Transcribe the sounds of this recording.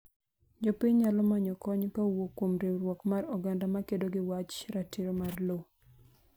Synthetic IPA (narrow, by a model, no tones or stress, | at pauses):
d͡ʒopɪɲɲalɔmaɲɔkɔɲkawokwomɾeɾwɔkmarɔɡandamakedoɡɪwat͡ʃɾatiɾomarlo